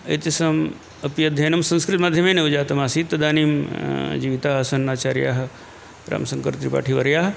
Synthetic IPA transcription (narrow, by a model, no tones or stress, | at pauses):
ɐ̰t̪isɐm | ɐpjɐd̪ʱːeːnɐmsɐ̃nskɾɪt̪maːd̪ʱjɐmeːneud͡ʒaːt̪ɐmaːsiːt̪ːɐd̪aːniːmd͡ʒiʋit̪aːɦɐsɐnːaːt͡ʃaːɾja̰ːɦɐ | ɾa̰ːmsɐŋkɐɾt̪ɾipa̰ːʈʰiʋɐɾjaːɦ